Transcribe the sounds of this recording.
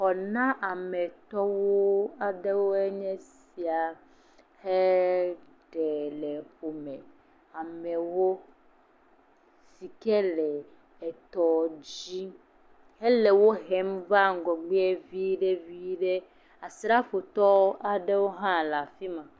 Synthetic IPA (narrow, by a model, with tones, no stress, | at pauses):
xɔ˨nã˦ʔa˨mɛ̃˨t̪ɔ˦wo˦a˨ɖe˦wo˦ɛ˦ɲɛ̃˦s | i˨a˨ | he˦ | ɖɛ˨lɛ˨ɸo˨mɛ̃˨ | a˨mɛ˨wo˦ | si˨kɛ˦lɛ˨ | ɛ˨t̪ɔ˨d͡ʑi˦ | he˦lɛ˨wo˦ɦɛ˦mva˦ŋ˨ɡɔ˨ɡ͡be˦e˦vi˦ɖe˦vi˦ɖe˦ | a˨sɾa˦fo˨t̪ɔ˦wo˦ʔa˨ɖe˦wo˦ɦã˦la˨fi˦mã˨